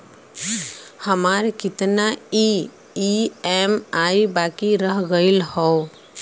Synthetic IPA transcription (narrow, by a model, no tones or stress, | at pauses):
həmaɾkɪt̪nai | iɛmaibakiɾəɦɡəɪlhɔ